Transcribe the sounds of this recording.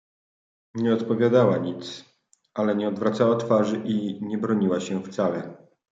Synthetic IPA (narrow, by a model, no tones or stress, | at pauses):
ɲɛɔt̪pɔvʲjad̪awaɲit̪s | alɛɲɛɔd̪vɾat̪sawat̪faʐɘʔiɲɛbɾɔɲiwaɕɛft̪salɛ